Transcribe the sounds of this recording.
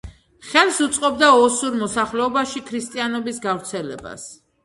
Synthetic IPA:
χɛlsut̪sʼqʼɔbd̪aɔsuɾmɔsaχlɛɔbaʃikʰɾist̪ʼianɔbisɡavɾt̪sʰɛlɛ̰ba̰s

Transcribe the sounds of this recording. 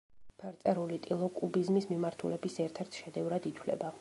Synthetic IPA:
pʰɛɾt̪sʼɛɾulit̪ʼilˠɔkʼubizmismimaɾt̪ʰulɛbisɛɾt̪ʰɛɾt̪ʰʃɛd̪ɛvɾad̪it̪ʰwlɛ̰ba

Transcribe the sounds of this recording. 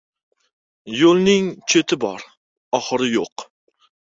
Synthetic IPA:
jolˠnɪŋt͡ʃʰet̪ʰɪbɒɾ | ɒχɨɾɪjoq

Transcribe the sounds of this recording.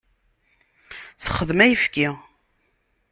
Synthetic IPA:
θə̥χəðmæjəfki

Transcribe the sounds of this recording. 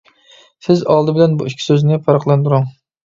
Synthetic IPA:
sɪzɑlˠd̪ɨbɪlɛnbuikʲʰi̥søznɪpʰɑɾɑqlˠɑnd̪uɾʊŋ

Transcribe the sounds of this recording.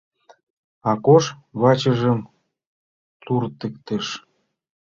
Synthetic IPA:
ɑkoʃβɑt͡ɕə̆ʒə̆m | t̪urt̪ɘ̆kt̪ĕʃ

